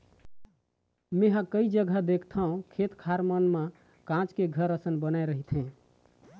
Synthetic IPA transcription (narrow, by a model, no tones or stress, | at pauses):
mẽɦãkəid͡ʒəɡʱəd̪ekʰt̪ʰəɦũkʰet̪kʰaɾmənmã | kãt͡ʃkeɡʱəɾəsənbənajɾəɦit̪ʰɦẽ